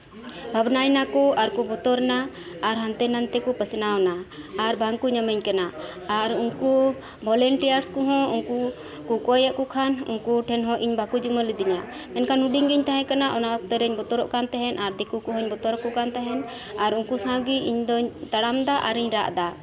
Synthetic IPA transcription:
bʱabnajnakɔaɾkɔbɔt̪ɔɾnaː | ɾɦant̪ɛnant̪ɛkɔpəsnawnaaɾbʱaŋkuɲamɛɲkana | aɾuŋku | bʱɔlɛɳʈijaɾskɔɦɔ̃uŋku | kukɔjaʔkɔkʰanṵŋkuʈʰɛnɦɔ̃ʔiɲbʱakud͡ʒiməlid̪iɲa | ɛnkʰanuɖiɲɡiɲt̪aɦɛ̃kanaʔɔnaʔk̚t̪ɛɾɛɲbɔt̪ɔɾɔʔkant̪ɛɦɛnʔaɾd̪ɛkukɔɦɔ̃ɲbɔt̪ɔɾɔkɔʔkant̪ɛɦɛn | aɾuŋkusãɡiʔiɲd̪ɔɲt̪aɽamd̪aʔaɾiɲɾa̰ʔd̪a

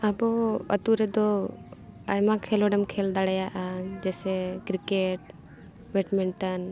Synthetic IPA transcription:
abɔə̰t̪uɾɛd̪ɔ | ajmãkʰelɔɖɛmkʰeld̪aɽɛjaʔad͡ʒɛsɛkɾikeʈ̚ | wɛʈmiɳʈən

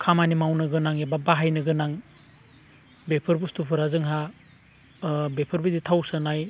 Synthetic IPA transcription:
kʰamanimawnɯɡɯnaŋebabaɦajnɯɡɯnaŋ | bepʰɯɾbustupʰɯɾazɯŋɦa | bepʰɯɾbiditʰawsɯnaj

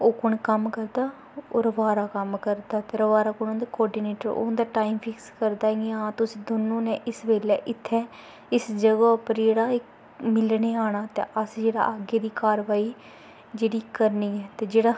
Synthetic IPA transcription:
oːkʊɳkəmkəɾd̪aː | o̰ːɾəʋaːɾaːkəmkəɾd̪aːt̪eːɾəʋaːɾaːkʊɳ̃õnd̪eːkɔːɾɖiːneːʈəɾo̰ːnd̪aːʈaːimpʰɪkskəɾd̪aːɡãːt̪ʊsĩːd̪oːnõːnɛ̃ːʔɪsʋeːlɛːʔɪt̪ʰːɛː | ɪsd͡ʒəɡaːʊpəɾd͡ʒeːɽaːɪk | mɪlɽeːaːɽ̃aːt̪ḛːʔəsd͡ʒeːɽa̰ːʔəɡeːd̪iːkaːɾʋaːiː | d͡ʒeːɽiːkəɾniːɛːt̪eːd͡ʒeːɽaː

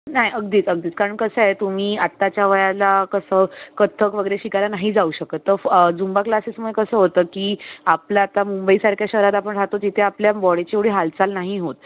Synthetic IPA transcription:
naɦiʔəɡd̪iːt͡səɡ̚d̪iːt͡skaɾəɳkəsəɦet̪um̤iːat̪ːat͡ɕjaʋəjalakəsəːkət̪ʰːəkʋəɡəɾeɕikaɾanaɦid͡zauɕəkət̪ːəɾd͡zumbaklasesməkəsəːɦot̪əːkiːaplaːt̪amumbəiːsaɾkjaɕəɦɾat̪apəɳʈʰat̪ot̪it̪ʰeapljabɔɽet͡ɕeeɽ̤iɦalt͡salnaɦiɦot̪̚

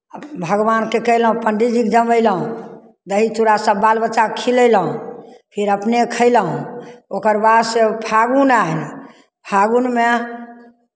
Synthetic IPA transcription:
bʱəɡʋankekəɦləɦũpəɳɖid͡ʒikd͡ʒəməɪləɦũ | d̪əɦit͡ʃuɾasə̃balbəʃakʰilələɦũpʰiɾəpnekʰəɪləɦũokəɾbad̪sepʰaɡunaini | pʰaɡunme

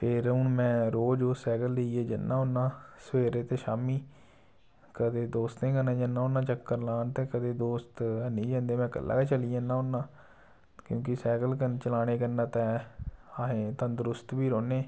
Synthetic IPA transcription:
pʰɪɾʊnmɛ̃ːɾoːd͡ʒosɛːɡəlːeieːd͡ʒənːãːʊnːãːsəʋeːɾeːt̪eːʃaːmiː | kəd̪eːd̪oːst̪nẽːɡənẽːd͡ʒənːãːʊnːãːt͡ʃəkːəɾlaːnt̪eːkəd̪eːd̪oːst̪ːnĩːd͡ʒãːnd̪eːmɛ̃ːkə̰lːa̰ːkeːt͡ʃəliːãːnːãːʊnːãː | kjõːk̬ɪsɛːɡəlkənt͡ʃəlaːɽ̃eːkənːãːt̪ɛːaːɦẽːt̪ə̃nd̪ɾʊst̪biːɾoːneː

